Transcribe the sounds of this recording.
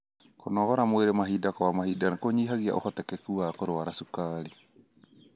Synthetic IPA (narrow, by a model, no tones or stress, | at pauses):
konɔɣɔɾamoweɾemaɦidakɔwamahidanakoɲiɦaɣia̰ʔo̰xɔtɛkɛkuakoɾowaɾasukaɾi